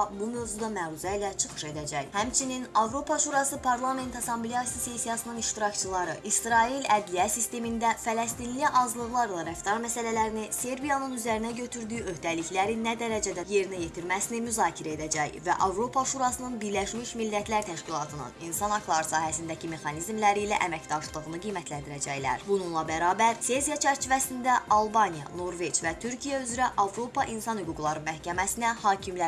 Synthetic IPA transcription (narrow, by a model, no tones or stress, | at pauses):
bumø̞vzud̪ɑmæɾuzæilæt͡ʃʰɯ̥χɯ̥ʃe̞d̪æd͡ʒæjhæmt͡ʃʰininɑvɾo̞pʰɑʃuɾɑsɯpʰɑɾlˠɑme̞nt̪ʰɑsɑmblʲejɑsisesijɑsɯnɯniʃt̪iɾɑct͡ʃʰɯlˠɑɾɯʔisɾɑelæd̪liæsist̪e̞mind̪æfælɛst̪inliʔɑzlˠɯɣlˠɑɾlˠɑɾæft̪ʰɑɾmæsælælæɾinise̞ɾbijɑnɯnyzæɾinæɟø̞t̪ʰyɾd̪yjyø̞hd̪æliçlæɾinːæd̪æɾæd͡ʒæd̪æje̞ɾinæje̞t̪ʰiɾmæsinimyzɑːcʰiɾæe̞d̪æd͡ʒæjvæ̰ʔɑvɾo̞pʰɑʃuɾɑsɯnɯnbiɾlæʃmiʃmilːæt̪ʰlæɾt̪ʰæʃcilˠɑt̪ʰɯnɯ̰ninsɑnhɑklˠɑɾɯsɑːɦæsind̪æcʰime̞xɑnizmlæɾilæ̰ʔæmæcd̪ɑʃlˠɯɣɯnɯɡijmæt̪ʰlænd̪iɾæd͡ʒæjlæ̰ɾbununlˠɑbæɾɑːbæɾse̞zijɑt͡ʃʰæɾt͡ʃʰivæsind̪æɑlˠbɑnijɑ̰no̞ɾve̞d͡ʒvæt̪ʰyɾcʰijæyzɾæʔɑvɾo̞pʰɑʔinsɑnhyɡuɡlˠɑɾɯnmæhcæmæsinæhɑːcʰimlæ